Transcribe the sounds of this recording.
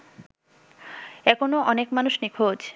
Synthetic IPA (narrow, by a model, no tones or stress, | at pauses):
ɛkʰonoʔɔnekmanuʃnikʰod͡ʑʰ